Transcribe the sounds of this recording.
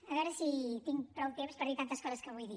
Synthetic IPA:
ɐɣɔɾɐsit̪iŋpɾɔwt̪emspɐðiɾt̪ant̪ɐskɔzɐskɐβojði

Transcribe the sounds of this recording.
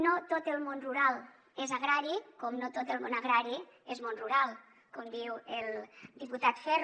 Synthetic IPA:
not̪ot̪əlˠmonruɾalˠ | ezaɣɾaɾikomnot̪ot̪elˠmonaɣɾaɾi | ezmonruɾalˠ | komd̪iwelˠd̪iput̪at̪fɛr

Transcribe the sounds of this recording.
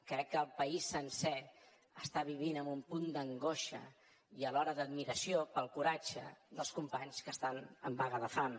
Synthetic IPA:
kɾɛkːəːlˠpəisːənsɛ | əst̪aβiβ̞inəmumpund̪əŋɡoʃə | iəlɔɾəðəd̪miɾəsiopəlˠkuɾad͡ʒə̰ðəlˠskumpaɲskəst̪anəmbaɣəðəfam

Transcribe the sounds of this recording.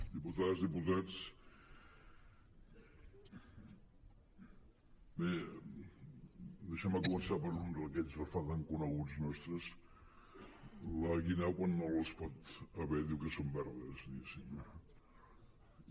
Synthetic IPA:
d̪iput̪azðiput̪at͡s | be | d̪əʃɛməkumənsapəɾund̪əkɛzðəfat̪əŋkunəɣud͡znɔst̪ɾəs | ləɣinɛwkwanːoləspɔt̪əβɛðiwkəsombɛɾðəsnisi

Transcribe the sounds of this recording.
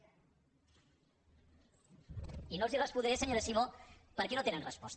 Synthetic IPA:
inolzirəspuðeɾeseɲoɾesimopəɾkenot̪enenrəspɔst̪

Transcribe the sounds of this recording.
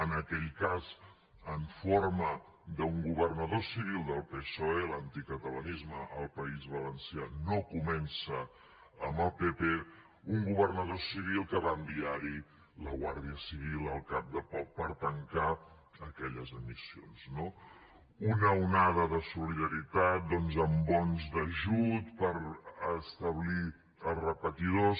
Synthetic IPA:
ənəkɛʎkaz | əɱfoɾmə | d̪əuŋɡuβərnəðosiβ̞ilˠd̪əlˠpesoelant̪ikət̪ələnizməʔːlˠpəizβələnsjanokumɛnsəː | mbəlˠpepe | uŋɡuβərnəðosiβ̞ilˠkəβambiaɾi | ləɣwa̰ɾðiəsiβ̞ilˠəlˠkap̚d̪əpɔpəɾt̪əŋka | əkɛʎəzəmisionzno | unəunaðəðəsuliðəɾit̪at̪̚d̪ɔnzəmbɔnzd̪əʒut̪pəɾəst̪əβli | əlˠrəpət̪iðos

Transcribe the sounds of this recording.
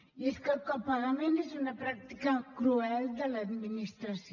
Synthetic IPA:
iskakːapalamenisunapɾak̚t̪ikakɾuɛld̪alad̪minist̪ɾas

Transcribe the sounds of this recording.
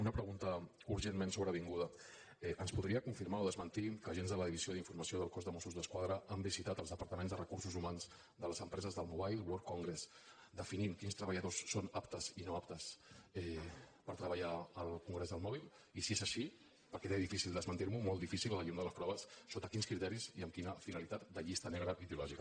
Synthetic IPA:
unəpɾəɣunt̪ə | uɾʒenmensoβɾəβ̞iŋɡuðə | ɛʔənspuðɾiəkuɱfiɾmaoð̞əzmənt̪ikəːʒenzðələðiβizioðiɱfuɾməsioðəlˠkozðəmɔsuzðəskwaðɾəəmbizit̪at̪əlˠzðəpəɾt̪əmẽnzðərəkursuzumanz | d̪ələzəmpɾɛzəzðəlˠmuβajlˠbloɾkuŋɡɾes | d̪əfinimkinst̪ɾəβəʎəðosːonapt̪əzinoap̚t̪əsɛpəɾt̪ɾəβəʎaəlˠkuŋɡɾezðəlˠmɔβilˠ | isiezəʃi | pəɾkɛɾeðifisilˠd̪əzmənt̪iɾmumɔlˠt̪ifisilələʎund̪ələspɾɔβəsːot̪əkinskɾit̪ɛɾiziəmkinəfinəlit̪at̪̚d̪əʎist̪ənɛɣɾəiðiulɔʒikə

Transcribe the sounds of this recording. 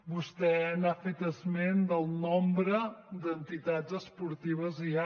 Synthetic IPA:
bust̪ɛnafet̪əzmend̪əlˠnombɾəd̪ənt̪it̪azəspuɾt̪iβəzia

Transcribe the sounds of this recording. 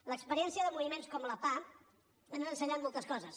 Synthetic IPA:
ləkspəɾiɛnsiəðəmuβimenskɔmləpa | ənənsəɲat̪mɔlˠt̪əskɔzəs

